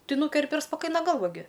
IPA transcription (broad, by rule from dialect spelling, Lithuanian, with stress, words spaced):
ˈtɐɪ ˈnuːkʲɛrʲpʲɪ ɪr spɐˈkɐɪnɐ ˈɡɐlˠʋɐ ɡʲɪ